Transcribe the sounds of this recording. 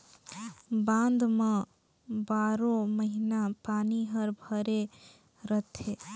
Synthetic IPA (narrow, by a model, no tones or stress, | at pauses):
bãnd̪mã | baːɾõməɦinapaːniɦəɾbʱəɾe | ɾət̪ʰe